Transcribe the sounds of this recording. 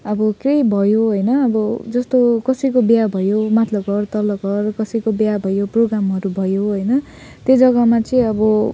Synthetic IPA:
ʌbʌkejbʱʌjoɦʌjnʌːbʌd͡zʌst̪okʌsʌjkobjabʱʌjomat̪lʌɡʱʌrt̪ʌlʌɡʱʌrkʌsʌjkobjabʱʌjoproɡramɦʌɾubʱʌjoɦʌjnʌ | t̪jed͡zʌɡʌmat͡sʌĩʌbʌ

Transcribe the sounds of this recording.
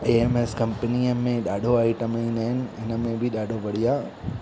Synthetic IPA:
eeːmeskɐmpənijəmẽɗaːɖʱoaːiʈəməĩnəɦɪnɪ̆ɪnəmẽbʱiɗaːɖʱoʋɐɽijaː

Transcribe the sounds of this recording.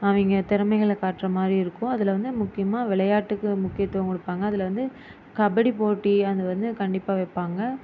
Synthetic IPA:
ɐʋɪŋɡɐt̪ɪɾɐmɐɪɣɐɭkaːʈːrɐmaːd̪ɾiɪɾɯkːʊ̃ɐðɪlɐʋɐnd̪ɯmʊkːɪjɐmaːʋɪɭɐjaːʈːɯkːɯmʊkːɪjɐt̪ːoːŋkɔɽɯpːaːŋɡɐːðɪlɐʋɐnd̪ɯ | kɐbɐɽipoːʈːiɐðɯʋɐnd̪ɯkɐɳɖɪpːaːʋɛpːaːŋɡɐ

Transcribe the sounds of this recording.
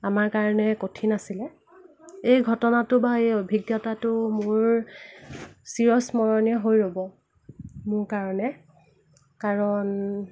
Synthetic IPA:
amaɹkaɹɔnɛkotʰinasilɛ | ejɡʱɔtɔnatʊbaejobʱiɡjɔtatʊmʊɹ | siɹɔsmɔɹɔnjɔɦojɹobɔ | mʊɹkaɹɔnɛ | kaɹɔn

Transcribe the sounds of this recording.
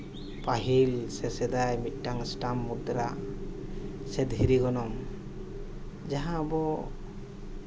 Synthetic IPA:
paɦilsɛsɛd̪ajmit̪̚ˀʈaŋsʈamːud̪ɾa | sɛd̪ɦiɾiɡɔnɔm | d͡ʒaɦãbɔ

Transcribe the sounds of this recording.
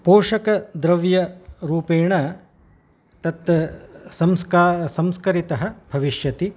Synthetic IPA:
poːʃɐkɐd̪ɾɐʋjɐɾuːpeːɳɐ | t̪ɐt̪ɐsɐmskasɐmskɐɾit̪ɐɦɐ̆bʱɐʋiʃjɐt̪i

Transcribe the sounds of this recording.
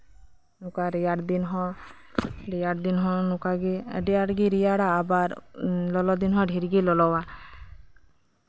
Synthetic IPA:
nukaɾijaɽd̪inɦɔ̃ | ɾijaɽd̪inɦɔ̃nukaɡḭɖijaɽɡiɾijaɽaːbaɾlɔlɔd̪inɦɔ̃ɖʱiɾɡilɔlɔwa

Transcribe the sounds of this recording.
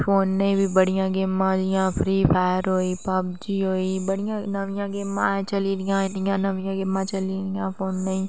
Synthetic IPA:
pʰoːnːɐĩbʱibəɽijãɡeːmːãd͡ʒɪjãpʰɾiːpʰaːjəɾɦoːiːpɐbd͡ʒiɦoːibəɽ̤ɪjãnəʋɪjãːɡeːmːãet͡ʃɐliɾɪjãɪnijãːnəʋɪjãːɡɪmãt͡ʃɐliɾɪjãːpʰoːnːɐĩː

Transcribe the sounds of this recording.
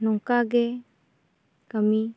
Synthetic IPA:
nɔŋkaɡe | kəmi

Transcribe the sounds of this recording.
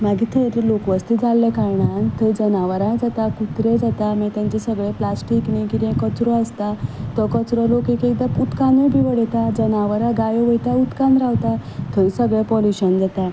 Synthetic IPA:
maɡit̪ʰəɾlokʋəst̪id͡zalːekajɳant̪ʰəd͡zənaʋəɾãd͡zat̪akut̪ɾẽd͡zat̪amat̪ãɲt͡ɕɛsəɡɭeplasʈiknikiɾɛ̃kət͡sɾɔəst̪at̪ɔkət͡sɾɔlokekek̚d̪aut̪kanebʱiʋəɽɛt̪ad͡zənaʋəɾãɡajɔʋəjt̪aut̪kãnd̪ɾaʋt̪at̪ʰəɾsəɡɭepɔluɕənd͡zat̪ã

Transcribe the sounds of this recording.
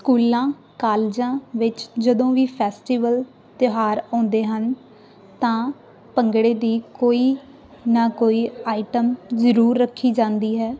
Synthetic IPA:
skuːlãː | kaːld͡ʒãːʋɪt͡ʃd͡ʒəd̪õːʋiːpʰɛːsʈiːʋəl | t̪ɪɦaːɾɔ̃ːnd̪eːɦən | t̪ãː | pəŋɡɽeːd̪iːkoːiː | naːkoːiːaːɪʈəmzəɾuːɾːəkʰːiːd͡ʒãːnd̪iːɦɛː

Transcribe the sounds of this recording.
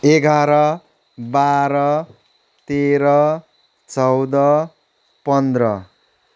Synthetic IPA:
eɡʱaɾʌ | baɾʌ | t̪eɾʌ | t͡sʌwd̪ʌ | pʌnd̪rʌ

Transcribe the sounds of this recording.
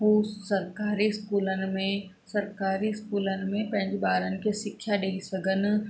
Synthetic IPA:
ɦuːsɐɾkaːɾiskuːlənmẽ | sɐɾkaːɾiskuːlənmẽpẽɲd͡ʒbaːɾənkesɪkʰʃaɖeːisəɡən

